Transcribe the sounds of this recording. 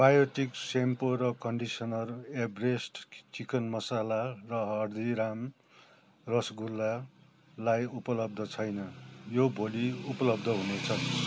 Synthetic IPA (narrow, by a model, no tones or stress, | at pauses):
bajoʈiksempoɾʌkʌɳɖisʌnʌrebresʈt͡ʃikʌnmʌsalarʌɦʌrd̪iɾam | rʌsɡulːa | lajupʌlʌb̚d̪ʱʌt͡sʰʌjnʌjobʱoliupʌlʌb̚d̪ʱʌɦunet͡sʰʌ